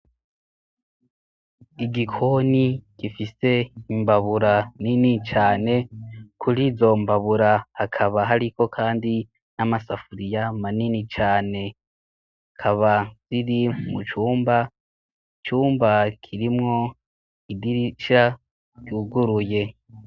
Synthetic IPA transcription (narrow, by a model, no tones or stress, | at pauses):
iɡikʰoniɡ̥ifise̞imbaβuɾaninit͡ʃaːne̞kʰuɾiːzo̞mbaβuɾahakʰaβaɦaɾiko̞kʰaːndi | namasafuɾijamaninit͡ʃaːne̞ | kʰaβaz̥iɾimut͡ʃuːmba | t͡ʃuːmbakʰiɾimŋo̞ | idiɾiʃa | ɡ̥uːɡuɾuje̞